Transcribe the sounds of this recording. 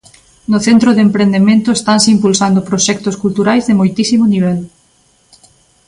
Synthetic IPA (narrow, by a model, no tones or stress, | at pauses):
nʊθent̪ɾoðempɾend̪emẽnt̪ʊest̪ansimpulsand̪opɾoʃɛk̚t̪oskult̪uɾajzðɪmojt̪isimoniβ̞ɛl